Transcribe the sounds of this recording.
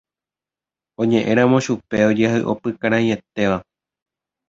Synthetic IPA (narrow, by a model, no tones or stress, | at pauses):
õ̞ɲẽ̞ʔẽ̞ɾ̃ãmõ̞ʃupe̞o̞d͡ʒehɨʔo̰pɨkãɾ̃ãĩe̞t̪e̞ʋa